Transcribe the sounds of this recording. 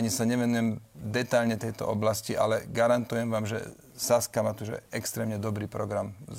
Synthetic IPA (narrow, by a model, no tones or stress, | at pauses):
ɲisaɲɛʋɛnujɛmd̪ɛt̪aʎɲɛt̪ɛjt̪ɔ̰ʔɔblasciʔa̰lɛɡaɾant̪ujɛmʋaːmʒɛ̰ | saskamat̪uʒɛ̰ɛkst̪ɾɛːmɲɛd̪ɔbɾiːpɾɔɡɾam